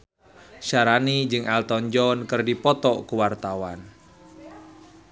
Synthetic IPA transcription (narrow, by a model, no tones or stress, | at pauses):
ʃaɾanid͡ʒɨŋalt̪ɔɲd͡ʒɔnkɨrdipɔt̪ɔkuwart̪awan